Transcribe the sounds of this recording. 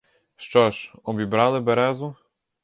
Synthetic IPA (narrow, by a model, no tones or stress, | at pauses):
ʂt͡ʂɔʂɔbʲibɾalɘbɛɾɛzu